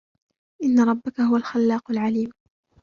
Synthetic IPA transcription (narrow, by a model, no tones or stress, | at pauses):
ʔɪnːɑɾˤɑbːakaɦʊwalxalːɑːqʊlʕaliːm